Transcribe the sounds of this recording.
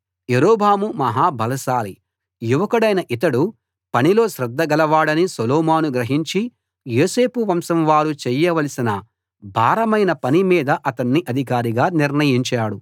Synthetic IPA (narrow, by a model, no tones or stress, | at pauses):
jeɾoːbʱaːmumɐɦaːbʱɐlɐʃaːli | juʋɐkɐɽɐjnɐʔit̪̬ɐɽu | pɐnilo̞ːʃɾɐd̪ʱːɐɡɐlɐʋaːɽɐnisoloːmaːnuɡɾɐɦiɲt͡ʃi | joːse̞ːpuʋɐmsɐmʋaːɾut͡ʃɛjɐʋɐlɐsinɐ | bʱaːɾɐmɐjnɐpɐnimiːd̪ɐʔɐt̪ɐnːiʔɐd̪ʱikaːɾiɡaːniɾnɐjiɲt͡ʃaːɽu